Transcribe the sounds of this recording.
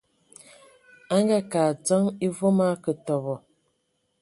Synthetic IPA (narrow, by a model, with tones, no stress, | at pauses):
a˦ŋɡa˦kaː˨t͡sɔ˦ŋi˦vo˦ma˦kə˨tɔ˨bɔ˨